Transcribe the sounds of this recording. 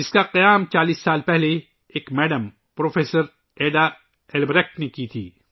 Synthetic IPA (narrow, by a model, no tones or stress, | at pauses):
ɪskaqɐjaːmt͡ʃaːliːsːaːlpɛɦle | eːkmɛːɖəm | pɾoːfeːsəɾ | eːɖa | ɛlbɾɛknekit̪ʰḭː